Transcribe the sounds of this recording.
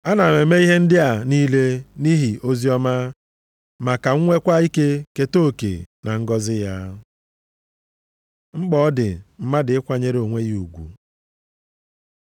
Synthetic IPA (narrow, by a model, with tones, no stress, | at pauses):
a˦na˨me˨me˦i˦ɦe˦n̩˦dɪ˦a˨niː˦le˦ni˦ɦi˨o˦zi˦ɔ˦ma˦ | ma˨ka˨ŋ̩˦ŋʷe˦kʷa˦i˦ke˦ke˦to˦˨kḛ˨na˨ŋ̩˦ɡɔ˦zɪ˦ja˦ | ŋ͡m̩˦k͡pɔ˦dɪ̰˨m̩˦ma˦dɪ˨ɪ˦kʷa˦ɲe˦ɾo˨ŋʷe˦ɣi˦u˨ɡʷṵ˨